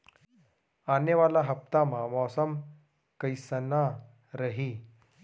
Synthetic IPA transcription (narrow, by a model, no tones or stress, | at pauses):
anəʋalaɦəp̚t̪amamɔsəm | kəjsəna | ɾəɦi